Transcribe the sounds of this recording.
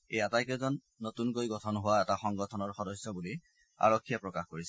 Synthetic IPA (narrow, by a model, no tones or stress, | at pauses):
ejatajkɛzɔnːotunkojɡɔtʰɔnɦʊwaɛtaxɔŋɡɔtʰɔnɔɹxɔdɔsːjɔbuli | a̰ɹɔkʰːijapɹɔkaxkoɹisɛ̥